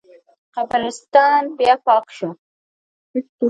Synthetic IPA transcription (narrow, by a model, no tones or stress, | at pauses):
qabɑnɪst̪ɑnbjɑpɑqʃu